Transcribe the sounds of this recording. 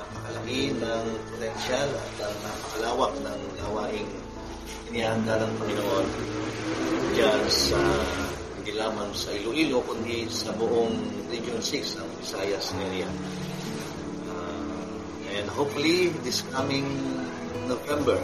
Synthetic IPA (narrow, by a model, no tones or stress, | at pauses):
pɐkɐlɐɡinɐŋpot̪ɛnʃalɐ̰t̪ːɐŋnaːpɐkɐlaːwɐk̚nɐŋnɐhɐwaːʔɪŋ | ɪnɪaːhɐnd̪anɐŋpɐŋɪnoʔon | d͡ʒasɐ | ɪnd̪ilaːmɐŋsɐʔiloʔilo̞kʊnd̪isɐbʊʔoŋ | ɾid͡ʒonsɪksɐŋbɪsajɐsmɛɾia | ʔa | ʔɛnd̪ɦopʊlid̪ɪskamɪŋ | novɛmbɛɹ